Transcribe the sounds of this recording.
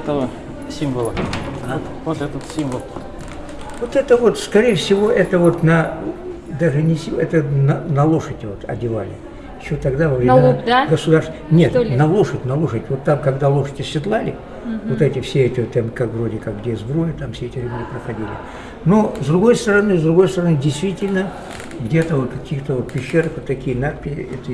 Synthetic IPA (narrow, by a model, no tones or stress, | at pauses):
ɛt̪əvə | sʲimvəlˠə | vot̪ɛt̪ət̪sʲimvəlˠ | vot̪ɛt̪əvo̞t̪skɐɾʲejəfsʲɪvo̞ʔɛt̪əvo̞t̪nɐ | d̪aʐɨnʲɪsʲiɛt̪ənɐnɐlˠo̞ʂədʲvot̪ɐ̰dʲɪvalʲɪ̰ | jɪɕːot̪ɐɡd̪avəvɾʲɪnɡəsʊd̪aɾrst̪nʲet̪nɐlˠo̞ʂətʲnɐlˠo̞ʂətʲvo̞t̪ːamkɐɡd̪alˠo̞ʂə̥tʲɪsʲɪt̪lˠalʲɪ | vot̪ɛtʲɪfsʲeɛtʲɪt̪amkakvɾo̞dʲɪkakɡdʲezbɾojət̪amfsʲeɛtʲɪɾʲɪblʲɪpɾəxɐdʲilʲɪ̰ | no̞zd̪ɾʊɡo̞jst̪əɾɐnɨzd̪ɾʊɡo̞jst̪əɾɐnɨdʲɪjst̪vʲitʲɪlʲnə | ɡdʲet̪əvot̪kɐkʲixt̪əvot̪̚pʲɪɕːeɾəxot̪ːɐkʲijənat̪pʲɪɛt̪ə